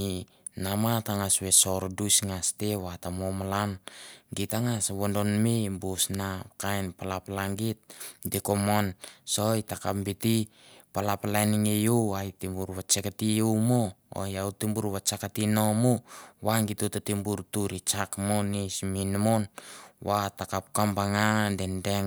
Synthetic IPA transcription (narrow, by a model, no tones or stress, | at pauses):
i | namataŋasβesoɾodusŋasteβatamomalanɡitaŋasβondonmebosnakajnpalapalaŋɡit̚dikomonsojtakambiti | palapalajniŋejowajtimbuɾβat͡ʃekatiumoo̰jautimbuɾβat͡ʃakatinomuwaŋɡitutatimbuɾtuɾit͡ʃakmonisminmonwatakap̚kambaŋadendeŋ